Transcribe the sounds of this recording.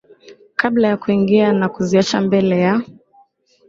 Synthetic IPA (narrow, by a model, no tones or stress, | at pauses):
kablajakuiŋɡianakuziat͡ʃambɛlɛja